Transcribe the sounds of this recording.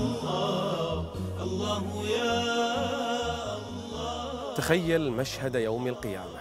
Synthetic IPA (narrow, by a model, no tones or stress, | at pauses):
ʔlː | t̪axajːalmaʃhad̪jawmalqɨja̰ːma